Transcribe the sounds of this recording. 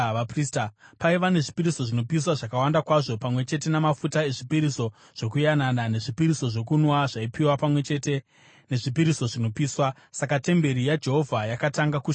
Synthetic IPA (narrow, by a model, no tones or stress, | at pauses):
apristapaiʋane̞ʐipiɾiso̞ʐino̞pis̬waʐakawandakwaʐo̞pamwe̞t͡ʃe̞t̬e̞namafutae̞ʐipiɾiso̞ | ʐ̥o̞kujananane̞ʐipiɾiso̞ʐo̞kunwaʐaipiwapamwe̞t͡ʃe̞te | ne̞ʐipiɾiso̞ʐino̞piːswa | sakate̞mbe̞ɾijad͡ʒe̞ɦo̞vʱajakataŋɡaku